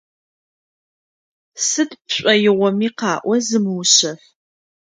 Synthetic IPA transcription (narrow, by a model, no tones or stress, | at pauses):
sɨdpʰɕʷʼɐjɪʁʷɔmiːqɑːʔʷɔzɨmwɕɐf